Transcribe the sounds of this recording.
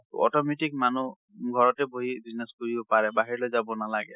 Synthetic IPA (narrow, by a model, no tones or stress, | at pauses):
tɔ̰tɔmetikmanu | ɡʱɔɹɔtɛboɦibiznɛskoɹibɔpaɹɛbaɦiɹlojzabɔnalaɡɛ̰